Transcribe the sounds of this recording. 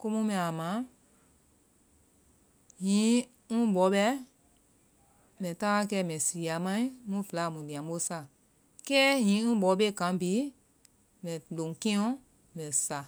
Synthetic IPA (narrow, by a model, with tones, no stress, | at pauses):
ko˦mũ˦mɛ̃˨a˨mã˨˦ | hĩː˨˦ | ŋũ˦ɓɔ˨˦ɓɛ˧˦ | mɛ̃˨ta˦a˦kɛː˧˦mɛ̃˨si˨a˨mã˦ĩ˦mũ˦fə˨la˨mũ˨dĩ˨ã˨˦ɓo˧˦sa˨ | kɛː˦ɦĩː˨˦ŋũ˦ɓɔ˨˦ɓe˦˨kã˨˦biː˨˦ | mɛ̃˨lõ˨ŋkĩ˦ɔ̃˦ | lɛ̃˨sa˨